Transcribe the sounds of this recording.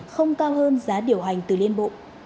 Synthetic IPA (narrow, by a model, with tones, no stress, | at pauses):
xə˧wŋ͡mkaː˧wɦəː˧nzaː˨˦ɗi˨˩əwɦa˨˩jŋ̟t̪ɨ˨˩li˧ənɓo̰˧˨